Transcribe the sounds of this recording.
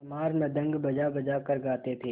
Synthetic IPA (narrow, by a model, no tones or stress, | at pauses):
ɐmaːɾnɐd̪ə̃ŋɡbɐd͡ʒabɐd͡ʒakɐɾɡaːt̪et̪ʰeː